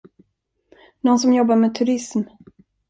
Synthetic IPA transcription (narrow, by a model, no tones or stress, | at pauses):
nɔnsɔmjɔbːaɾmeːt̪ʰɵɾɪsm